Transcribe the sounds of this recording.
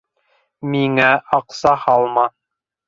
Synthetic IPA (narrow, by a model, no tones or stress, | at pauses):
miŋæʔɑqsɑhɑlˠmɑ